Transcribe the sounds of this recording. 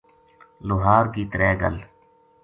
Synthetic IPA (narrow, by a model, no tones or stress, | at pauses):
lʊɦaːɾkiːt̪əɾɛːɡə̰l